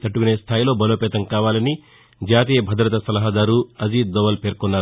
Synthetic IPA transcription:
t̪ɐʈːukune̞ːst̪ʰaːjlo̞ːbɐlo̞ːpɛːt̪ɐŋkaːʋaːlɐni | d͡ʒaːt̪iːjɐbʱɐd̪ɾɐt̪ɐsɐlɐɦɐd̪aːɾuɐziːd̪̚d̪ɔːʋɐlpe̞ːɾkɔnːaːɾ

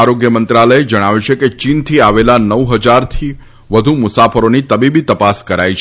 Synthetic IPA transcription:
aɾoɡjəmənt̪ɾaləjed͡ʒəɽ̃aʋut͡ʃʰeket͡ʃint̪ʰiaʋelanəʋɦəd͡ʒaɾt̪ʰi | ʋəd̪ʱumʊsafəɾonit̪əbibit̪əpaskəɾajt͡ʃʰ

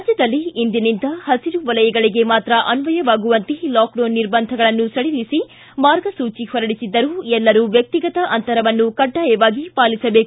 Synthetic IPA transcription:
ɐd͡ʒjɐd̪ɐlːiːnd̪inind̪ɐhɐsiɾuʋɐlɐjɐɡɐɭiɡe̞maːt̪ɾɐʔɐnʋɐjɐʋaːɡuʋɐnt̪elaːkɖoːnːiɾbɐnd̪ʱɐɡɐɭɐnːusɐɭilisi | maːɾɡɐsuːt͡ʃihɔɾɐɽisid̪ːɐɾuːɛlːɐɾuʋjɐk̚t̪iɡɐt̪ɐʔɐnt̪ɐɾɐʋɐnːukɐɖːaːjɐʋaːɡipaːlisɐbeːk

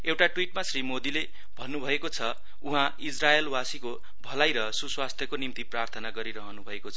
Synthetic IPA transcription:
ewʈaʈwiʈmasrimod̪ile | bʱʌnːubʱʌekot͡sʰʌ | uɦã | id͡zraelwasiko | bʱʌlajɾʌsuswast̪ʰjʌkonimt̪iprart̪ʰʌnaɡʌɾiɾʌɦʌnubʱʌekot͡sʰʌ

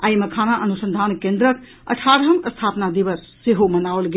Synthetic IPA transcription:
aiməkʰanaʔənusə̃nd̪ʱankẽnd̪ɾək | ə̰ʈʰaɾɦəməst̪ʰapnad̪iʋəsːeɦomənaolɡe

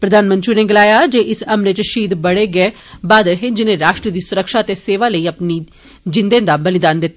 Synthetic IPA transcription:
pɾəd̪ʱaːnmə̃nt͡ʃiːneːɡɪlaːjaːd͡ʒeːʔɪsəmnet͡ʃəʃiːd̪bəɽeːɡɛː | baːd̪ɾəɦẽːd͡ʒɪnẽːɾaːʃʈɾəd̪iːsʊɾəkʃaːt̪eːseːʋaːləiːəpniː | d͡ʒɪnd̪ẽːd̪aːbəlɪd̪aːnd̪ɪt̪ːaː

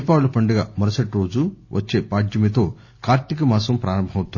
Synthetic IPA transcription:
paːlɐpɐɳɖɐɡa̰ːmɐɾɐsɐʈɾo̞ːd͡ʒuʋʔɐt͡ʃːe̞ːpaːd͡ʒjɐmit̪o̞ː | kaːɾʈ̪ikɐmɐːsɐmpɾaːɾɐmbʱɐɐwt̪un

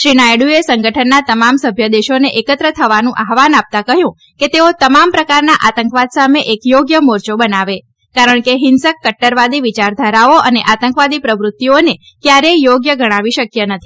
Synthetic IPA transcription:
ʃɾinajɽuesəŋɡəʈʰənːat̪əmamsəbʱjəd̪eʃoneʔekət̪ɾət̪ʰəʋanũʔaɦʋanap̚t̪akəɦjũ | ket̪eot̪əmampɾəkaɾnaʔat̪əŋkʋad̪sameʔekjoɡjəmoɾt͡ʃobənaʋe | kaɾəɳ̃keɦɪnsəkːəʈːəɾʋad̪iʋit͡ʃaɾd̪ʱəɾaoəneʔat̪əŋkʋad̪ipɾəʋɾʊt̪ːione | kjaɾejoɡjəɡəɽ̃aʋiʃəkjənət̪ʰi̥

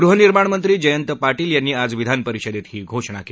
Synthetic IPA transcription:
ɡɾuɦəniɾmaɳmənt̪ɾiːd͡ʑəjənt̪əpaɾʈiːljanːiːad͡zʋid̪ʱanpəɾiɕəd̪et̪hiːɡʱoʂɳ̃a̰ke

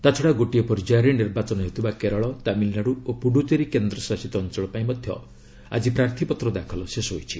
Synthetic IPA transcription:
t̪at͡ʃʰɔɽaɡoʈijepɔɾd͡ʒaɾeniɾbat͡ʃɔnɔɦet̪ʰubakeɾɔɭɔt̪amilnaɽuopuɽut̪eɾikend̪ɾɔsasit̪ɔːnt͡ʃɔɭɔpaĩmɔd̪ʱjɔ̰ | a̰d͡ʒipɾaɾt̪ʰipɔt̪ɾɔd̪akʰɔlɔsesɔɦojt͡ʃʰi

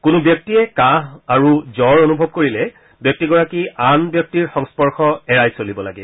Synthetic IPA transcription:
kʊnʊbjɔk̚tiɛkaɦaɹuzɔɹonubʱɔb̚koɹilɛ | bjɔk̚tiɡɔɹakianbjɔk̚tiɹxɔŋspɔɹxɔɛɹajsolibɔla̰ɡɛ

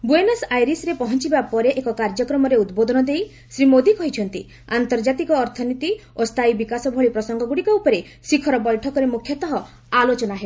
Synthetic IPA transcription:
buenɔsajɾisɾepɔɦɔnt͡ʃibapɔɾeʔekɔkaɾd͡ʒɔkɾɔmɔɾeud̪bod̪ʱɔnɔd̪ej | sɾimod̪ikɔɦit͡ʃʰɔnt̪i | ant̪ɔɾd͡ʒat̪ikɔːɾt̪ʰɔnit̪iost̪ʰajbikasɔbʱɔɭipɾɔsɔŋɡɔɡuɽikɔupɔɾe | sikʰɔɾɔbɔjʈʰɔkɔɾemukʰjɔt̪ɔɦɔ | alot͡ʃɔnaɦe

